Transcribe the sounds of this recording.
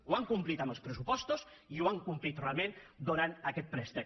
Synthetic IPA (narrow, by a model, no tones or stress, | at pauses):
uaŋkumplit̪əmbəlˠspɾəsupɔst̪uziuaŋkumplit̪realˠmend̪uɾant̪əkɛt̪̚pɾɛst̪ə